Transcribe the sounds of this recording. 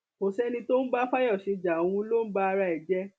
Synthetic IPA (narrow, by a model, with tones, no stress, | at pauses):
o˨sɛ˦nĩ˧to˦n̩˦ba˦fa˦jɔ˦˨ʃe˨˧d͡ʒa˨o˨w̃ũ˧˦lo˦n̩˦ba˦a˧ɾa˧i˨d͡ʒɛ˦